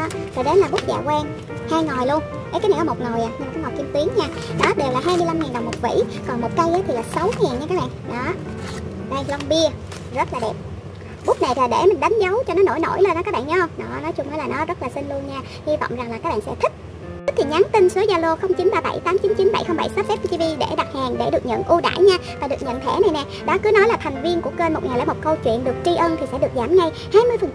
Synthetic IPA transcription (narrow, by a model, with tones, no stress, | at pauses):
zoː˨˩jɗe˨˦nlaː˨˩ɓu˦˥əza̰ː˧˨kwɛː˧ŋ | haː˧jŋɔ˨˩jlu˧ən | ka˨˦kaː˨˦na˨˩kɔ˨˦o˨˩t̚ŋo˨˩jʔaː˨˩ɲɨ˧maː˨kɔː˨˦ŋ˨˩k͡p̚ki˧əmt̪wi˨˦əŋɲaː˧ | ɗɔ˨˦ɗe˨˩wlaː˨˩ɦaː˧jmɨ˧jla˧mŋɛː˨˩nɗə˨˩wmo˨˩vḭ˧˩˥kɔ˨˩nmo˨˩t̚kə˧jʔaː˨˦t̪ʰi˨˩laː˨˩sa˨˦wŋɛː˨˩nɲa˧kaː˦k̚ɓa̰ː˧˨ɗɔ˨˦˧ | ɓaː˧ŋlə˧ŋ͡mɓi˧ə | zə˦˥t̚laː˨˩ɗɛ˨˩p̚ | ɓu˦˥ək̚na˨˩jt̪ʰi˨˩ɗe˧˩mï˨˩ŋ̟ɗa˨˦jŋ̟zə˨˦wt͡ɕɔ˧nɔ˨˦no̰˧˩jno̰˧˩jle˧nʔɔ˨˦kaː˦˥k̚ɓa̰˧˨nɲ˨˦xə˧wŋ͡mnɔ˨˦nɔ˨˦jt͡ɕʊ˧ŋ͡mʔaː˨˦laː˨˩nɔ˨˦zə˦˥laː˨˩sï˧ŋ̟lu˧ənɲaː˧ | hi˧va̰˧˨wŋ͡mza˨˩ŋlaː˨˩aː˦k̚ɓa̰ː˧˨sɛ̰˧˥t̪ʰï˦˥k̪̚ | k̚t̪ʰi˨˩ɲa˨˦nt̪i˧msu˨˦zaː˧lo˧xə˧wŋ͡mt͡ɕi˨˦nɓaː˧ɓə̰˧˩jt̪aː˨˦mt͡ɕi˨˦nt͡ɕi˨˦nɓə̰˧˩jxə˧wŋ͡mɓə̰˧˩jsə˦˥p̚fɛ˦˥p̚i˧t̪i˧vi˧ɗe˧˩ɗa˨˩t̚haː˨˩ŋɗe˧˩ɗɨ˨˩ək̚ɲə̰˧˨nʔu˧ɗa̰ː˧˩jɲaː˧vaː˨˩ɗɨ˨˩ək̚ɲə̰˧˨nt̪ʰɛ˧˩na˨˩jnɛ˨˩ | ɗɔ˨˦kɨ˨˦nɔ˨˦jla˨˩t̪ʰa˨˩ŋ̟vi˧ənkʊ˧˩kə˧nmo˨˩t̚ŋa˨˩jla̰˧˥m˨˩t̚kə˧wt͡ɕwḭ˧˨ənɗɨ˨˩ək̚t͡ɕi˧ʔəː˧nt̪ʰi˨˩sɛ̰˧˥ɗɨ˨˩ək̚zaː˧˩mŋa˧j | haː˧jmɨ˧əjfə˨˩n